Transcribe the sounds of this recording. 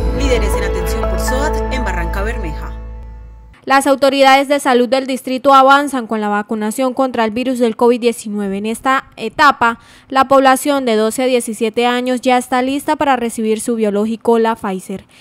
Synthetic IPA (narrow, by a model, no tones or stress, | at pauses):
liðeɾesenat̪e̞nsjo̞mpoɾsoat̪embaraŋkaβe̞ɾmexa | lasawt̪o̞ɾiðaðe̞zd̪e̞salud̪̚ːe̞ld̪ist̪ɾit̪uaβansaŋko̞nlaβakunasjo̞ŋko̞nt̪ɾaelbiɾuzd̪e̞lko̞βid̪̚dːje̞sinwe̞βe̞ːne̞st̪aet̪apa | lapo̞βlasjo̞nd̪e̞ðo̞se̞aðje̞sisje̞t̪e̞aɲo̞zd͡ʒae̞st̪alist̪apaɾare̞siβ̞iɾsuβjo̞lo̞xikolafajse̞ɾ